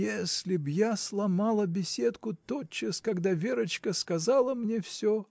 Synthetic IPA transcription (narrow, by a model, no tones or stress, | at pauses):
jesʲlʲɪbjaslˠɐmalˠəbʲɪsʲe̞t̪kʊt̪ot͡ɕːəskɐɡd̪avʲeɾət͡ɕkəskɐzalˠəmnʲe̞fsʲo